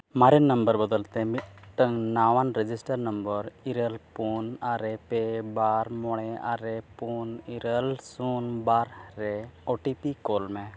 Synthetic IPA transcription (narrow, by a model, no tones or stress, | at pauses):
maɾinnːəmbəɾbəd̪əlt̪emit̪̚ʈəŋnaʋanɾed͡ʒisʈəɾnəmbəɾiɾəlpunaɾepebaɾmɔɽ̃ɛa̰ɾepuniɾəlsunbaɾɾɛoʈipikolmɛ